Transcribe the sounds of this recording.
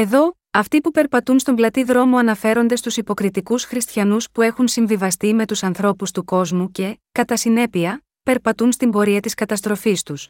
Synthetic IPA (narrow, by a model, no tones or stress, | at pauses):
e̞ðo̞ | ɐft̪ipupe̞ɾpɐt̪unst̪o̞mblɐt̪iðɾo̞mo̞ɐnɐfe̞ɾo̞nd̪est̪usipo̞kɾit̪ikusxɾist̪çɐnuspue̞xunsiɱvivɐst̪ime̞t̪usɐnθɾo̞pust̪uko̞zmuce̞kɐt̪ɐsine̞piɐ | pe̞ɾpɐt̪unst̪imbo̞ɾiɐt̪iskɐt̪ɐst̪ɾo̞fist̪us